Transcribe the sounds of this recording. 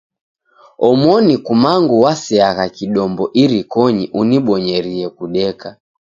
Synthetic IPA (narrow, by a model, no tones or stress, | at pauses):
ɔmwɔnikumaŋɡuwasiaɣakiɗɔmbɔʔiɾikɔɲiʔuniɓɔɲɛɾiɛkuɗɛka